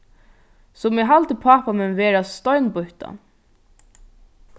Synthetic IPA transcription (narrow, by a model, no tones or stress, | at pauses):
sɔmɛɦalt̪əpʰaːpamɛnʋeːɾast̪ɔɥnbʊht̪a̰